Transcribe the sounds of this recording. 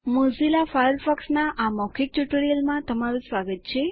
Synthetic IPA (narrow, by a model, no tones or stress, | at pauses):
mozilafajəɾfɔksnaʔamɔkʰik̚ʈuʈɾijəlmãt̪əmaɾũsʋaɡət̪̚t͡ʃʰe